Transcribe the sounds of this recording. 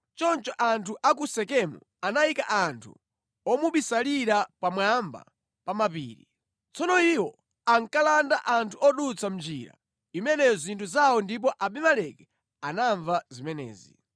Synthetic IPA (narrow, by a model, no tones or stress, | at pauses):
t͡ʃɔnt͡ʃɔʔantʰuʔak̬usɛkɛmṵ | anaikaʔantʰṵ | ɔmuɓisaliɾapamwamba̰ | pamapḭːɾi | t͡sɔnɔiwɔ | aŋkalandaʔantʰuɔɗut͡sʰam̩d͡ʒḭɾa̰ | imɛnɛzintʰuzawɔndip̬ɔʔaɓimalɛkɛ̥ | anaɱvazimɛnɛ̰ːzḭ